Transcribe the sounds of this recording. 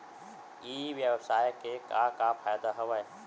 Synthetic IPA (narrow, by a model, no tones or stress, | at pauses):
iːʋjəʋsaːjkeːkaːkaːpʰaːjd̪aɦɐʋae